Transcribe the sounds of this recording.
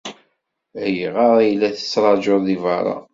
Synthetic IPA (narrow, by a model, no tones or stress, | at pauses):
æjiʁɑɾˤæjlːæθə̥t͡sːɾˤɑd͡ʒoðivɑɾˤɑ̰